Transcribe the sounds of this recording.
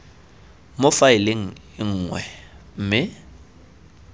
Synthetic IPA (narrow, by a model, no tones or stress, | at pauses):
mʊfaɪlɪŋ̩ | ɪŋ̩ːŋwɛ̰m̩ːmɪ